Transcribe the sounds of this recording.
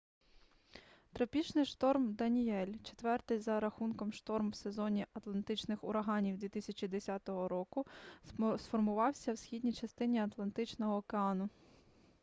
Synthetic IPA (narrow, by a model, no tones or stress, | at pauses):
t̪ɾɐpʲit͡ʃnɪjʃt̪ɔrmd̪ɐnʲiɛlʲt͡ʃe̥t̪ʋɛrt̪ɪjzɐɾɐxunkɔmʃt̪ɔrmwse̞zɔnʲiʔɐt̪lˠɐnt̪ɪt͡ʃnɪxʊɾɐɦɑnʲiwd̪ʋʲit̪ɪsʲɐt͡ʃʲid̪esʲat̪ɔɦɔɾɔkʊ | sfɔrmʊʋɑwsʲɐwsʲxʲid̪ʲnʲit͡ʃɐst̪ɪnʲiɐt̪lˠɐnt̪ɪt͡ʃnɔɦɔːkeɑnʊ